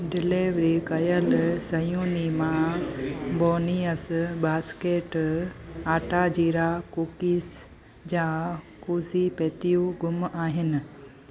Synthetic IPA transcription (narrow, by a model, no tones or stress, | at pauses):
ɖɪleːʋɾiːkɐjəlsɐjũːnimã | boːniəsbaːskeːʈ | aːʈaːd͡ʑiːɾaːkuːkis | d͡ʑaː | kuːzipeːt̪ijũɡʱʊmaːɦɪnɪ̆